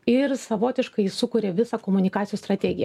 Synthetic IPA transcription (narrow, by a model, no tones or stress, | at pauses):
ɪɾsɐʋoːt̪ʲɪʃkɐɪsʊkʊːɾʲeʋʲɪsɑkoːmʊnʲɪkɑːt̪ʲɪjuːst̪ɾɐt̪ʲɛɡʲɪjɛ̰